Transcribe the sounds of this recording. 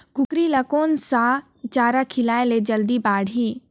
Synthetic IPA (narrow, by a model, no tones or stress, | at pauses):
ɡʊkɾiləkoːnsa | t͡ʃaːɾakʰɪlaːeled͡ʒɐld̪ibaːɽiː